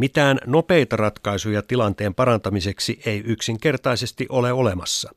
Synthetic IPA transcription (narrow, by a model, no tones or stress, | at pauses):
mit̪æːnno̞pe̞jt̪ɑrɑt̪kɑisujɑt̪ilɑnt̪e̞ːmpɑɾɑnt̪ɑmise̞ksiʔe̞jyksiŋk̟e̞rt̪ɑise̞st̪iʔo̞leo̞le̞mɑsːɑ